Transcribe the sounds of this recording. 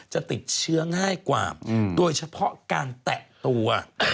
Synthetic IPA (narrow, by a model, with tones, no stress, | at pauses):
t͡ɕɔ˧˩t̪i˨˩k̟̚t͡ɕɨ˦˥əŋhaː˧˩jkwaː˨˧˩ɗu˨˧˩jt͡ɕa˧˥pʰɔ̰˧˥kaː˧˩nt̪ɛ˧˨ʔt̪u˧˩ə˨˩